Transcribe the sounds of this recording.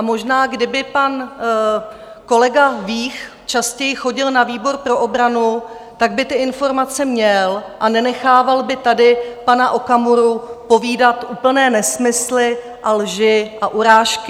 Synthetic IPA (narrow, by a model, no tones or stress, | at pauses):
ʔamo̞ʒnaːɡdɪbɪpan | ko̞lɛɡaviːx | t͡ʃascɛjɪxo̞ɟɪlnaviːbo̞ɾpɾo̞ʔobɾanu | t̪aɡ̚bɪt̪ɪʔɪnfo̞ɾmat͡sɛmɲɛlʔanɛnɛxaːvalbɪt̪adɪpanaʔo̞kamuɾupo̞viːdat̪ʔuːpl̩nɛːnɛsmɪslɪ | ʔalʒɪʔaʔuɾaːʃkɪ